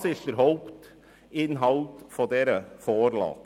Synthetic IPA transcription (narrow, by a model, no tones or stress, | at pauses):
sɪlt̪əɾhɔlkt̪ | ɪnɦɑlt̪fɔd̪eːɾəfoːɾlɑ̰ːt̪